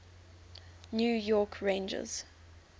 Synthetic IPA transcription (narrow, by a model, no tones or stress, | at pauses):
njuːjɔkʰɹẽɪ̃nd͡ʒə̰z̥